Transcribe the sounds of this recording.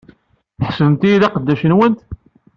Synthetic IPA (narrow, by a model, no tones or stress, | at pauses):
θħsəðəmt̪ijiðɑqəd̪ːæʃənwənt̪